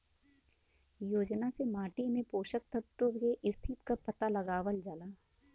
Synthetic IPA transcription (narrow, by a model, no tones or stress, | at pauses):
joːd͡ʒnasemaːʈimẽpoːʃək̚t̪əb̚t̪oeʔɪst̪ʰit̪kapɐt̪alɐɡaːʋəld͡ʒalaː